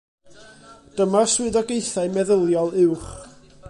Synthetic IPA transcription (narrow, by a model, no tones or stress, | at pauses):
d̥əmaswɨðɔɡejθaɨmɛðəlˠjɔlˠɪwχ